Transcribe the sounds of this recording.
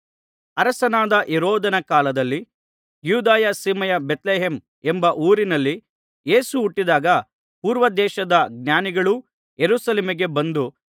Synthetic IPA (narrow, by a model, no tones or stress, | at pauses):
ɐɾɐsɐnaːd̪ɐʔiɾɔːd̪ɐnɐkaːlɐd̪ɐlːi | juːd̪aːjɐsiːmɐjɐbet̪leːɦem | embɐʔuːɾinɐlːi | je̞ːsuːʈːid̪aːɡɐ | puːɾʋɐd̪ɛːʃɐd̪ɐɡ̚njaːniɡɐɭu | jeɾuːsɐleːmiɡe̞bɐnd̪u